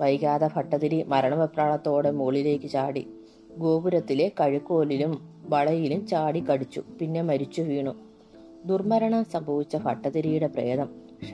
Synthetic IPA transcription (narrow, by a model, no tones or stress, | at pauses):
ʋɐjkaːðɐfɐʈːɐðiɾimɐɾɐɳɐʋɐpraːɭɐt̪ːo̞ːɽemuːɭile̞ːkːɨt͡ɕaːɽḭ | ɡo̞ːbuɾɐt̪ːile̞kɐɻikːo̞ːlilumʋɐɭɐjilumt͡ɕaːɽikːɐɽit͡ɕːṵpinːe̞mɐɾit͡ɕːuʋiːɳu | d̪urmɐɾɐɳɐmsɐmbʱɐʋit͡ɕːɐfɐʈːɐðiɾijuɽe̞preːðɐm